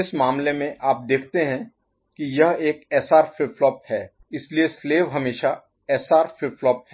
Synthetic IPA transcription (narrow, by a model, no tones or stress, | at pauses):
ɪsmaːmlemẽʔaːp̚d̪eːkʰt̪eɦɛ̃ | kijɐɦeːkɛːsaːɾfɪflɔːp̚hɛː | ɪsliesleːʋɦɐmeːʃa | ɛːsaːɾfɪflɔːp̚ɦɛː